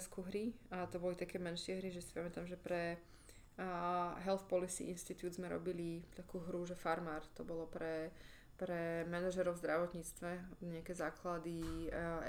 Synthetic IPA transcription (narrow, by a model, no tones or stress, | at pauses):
skuɦɾiat̪ɔbɔlit̪akɛːmɛnʃɪɛɦɾiʒɛsi̥pamɛt̪amʒɛpɾɛ | ɦɛlfpɔlisḭʔḭnʃt̪it̪juːd̪zmɛɾɔ̰bilit̪akuːɦɾuʒɛfaɾmaːɾt̪ɔbɔlɔpɾɛ | pɾɛmɛnaʒɛɾɔʊzd̪ɾaʋɔt̪ɲiːt͡st̪ʋɛɲɛakɛːzaːklad̪i